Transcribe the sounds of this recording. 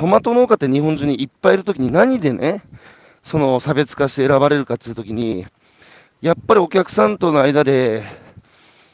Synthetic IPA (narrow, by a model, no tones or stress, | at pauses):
omat̪o̞noːkat̪ːeɲ̟ihõɲ̟d͡ʑĩɲ̟ːiːpːaiɾɯ̟t̪o̞kʲiɲ̟inaɲ̟id̪e̞nʔe̞̰ | so̞no̞sabe̞t͡sɨ̥kaɕi̥t̪e̞ːɾabaɾe̞ɾɯ̟kat̪ːeiɯ̟t̪o̞kʲiɲ̟i | japːaɾʲio̞kʲakɯ̟̥sãnt̪o̞no̞aid̪ad̪e̞